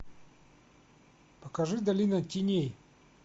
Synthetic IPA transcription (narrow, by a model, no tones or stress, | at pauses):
pɐkɐʐɨd̪ɐlʲinɐtʲinʲej